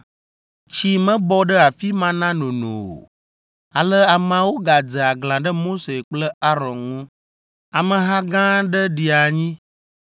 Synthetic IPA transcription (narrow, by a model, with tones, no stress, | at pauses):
t͡ɕi˦mə̃˦bɔ˦ɖə˦a˨fi˦mã˦nã˦nõ˨nõ̰˨o̰˨ | a˨lə˦a˨mã˨wo˦ɡa˨d͡zə˨a˨ɡlã˨ɖə˦mo˦se˨k͡plə˦a˦ɾɔ̃˨nŋũ˦ | a˨mə̃˨ɦã˦ɡã˦ɖə˦ɖi˨a˨ɲĩ˦